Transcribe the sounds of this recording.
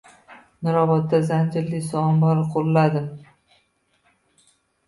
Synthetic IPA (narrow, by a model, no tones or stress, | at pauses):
nɪɾɒvɒt̪̚ːazand͡ʒɪɾlɪsɒɒmbɒɾqʰolːad̪ɪm